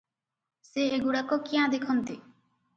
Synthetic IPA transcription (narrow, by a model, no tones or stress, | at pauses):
seeɡuɽekɔkiãd̪ekʰɔnt̪i